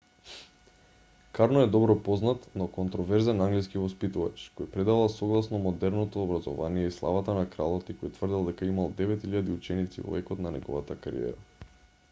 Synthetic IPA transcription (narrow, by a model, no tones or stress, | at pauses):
kaɾnɔɛd̪ɔbɾɔpɔznat̪nɔkont̪ɾɔvɛɾzɛnaŋɡliskivɔspit̪uva̰t͡ʃkojpɾɛd̪avalˠsɔɡlˠasnɔmod̪ɛɾnot̪oːbɾazɔ̰vanijɛislˠa̰vat̪anakɾalˠɔt̪ikojt̪vrd̪ilˠd̪ɛkaimalˠd̪ɛvɛt̪iʎad̪iut͡ʃɛnit̪sḭvɔ̰vɛkɔt̪nanɛɡɔvat̪akaɾḭɛ̰ɾa̰